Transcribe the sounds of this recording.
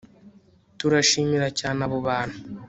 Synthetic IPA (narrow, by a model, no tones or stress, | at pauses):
tuɾaʃiːmiɾacaːnaβoβaːn̥hu